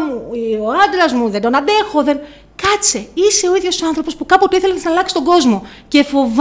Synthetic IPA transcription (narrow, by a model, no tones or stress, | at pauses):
muioɐd̪ɾɐzmuðe̞nd̪o̞nɐnd̪e̞xo̞ðe̞n | kɐt͡seise̞o̞iðʝo̞sɐnθɾopo̞spukɐpot̪uiθeleznɐlɐksi̥st̪oŋɡo̞zmo̞ | ce̞fo̞v